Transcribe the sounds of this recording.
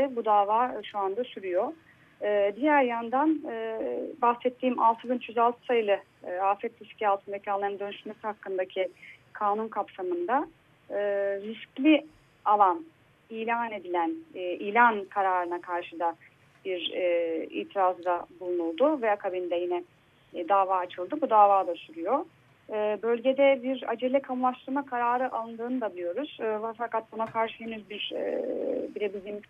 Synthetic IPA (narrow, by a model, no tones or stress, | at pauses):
ɪbud̪aːvaːʃuand̪asyɾyjo | ɯːd̪ijæɾjand̪anɯːbaxsɛt̪ʰːiːma̰lˠt̪ʰɯbint͡ʃʰyzalˠt̪ʰɯ̥sajɯlˠɯ | aːfɛt̪ɾiscʰialˠt̪ʰɯnd̪acʰialˠand̪ø̞nyʃmɛshakːɯnd̪acʰikʰaːnunkʰapsamɯnd̪a | ɯɾisclʲi | alˠan | iːlʲaːne̞d̪ilʲænːʔiːlʲankʰaɾaːɾɯnakʰaɾʃɯd̪a | b̥iɾɛḭːt̪ʰiɾazɾabulˠunulˠd̪ʊvɛakʰabind̪ɛjinɛ | d̪aːvaːt͡ʃʰɯlˠd̪ɯbud̪aːvaːd̪asyɾyjo̞ | ɯːbø̞lʲɟe̞d̪ɛbiɾa̰d͡ʒe̞lʲɛkʰamulˠaʃt̪ˠɯɾmakʰaɾaːɾɯʔalˠɯnd̪ɯːnɯd̪ad̪yjo̞ɾuz̥ːafakat̪̚bunakʰaɾʃɯɦenyzbiɾ̰ | biɾebizlʲim